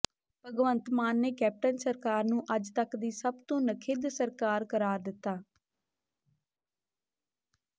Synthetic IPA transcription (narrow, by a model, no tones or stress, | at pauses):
pəɡʋənt̪maːnːeːkɛːp̚ʈənsəɾkaːɾnũːʔəd͡ʒt̪əkd̪iːsəbt̪õːnəkʰɪd̪səɾkaːɾkəɾaːɾd̪ɪt̪ːaː